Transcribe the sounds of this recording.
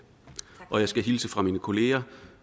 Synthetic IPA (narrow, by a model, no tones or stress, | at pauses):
ʔɒ̽jɑ̈ɪsɡ̥æɦilsəfʁɑ̈miːnəkʰo̝le̝ːɐ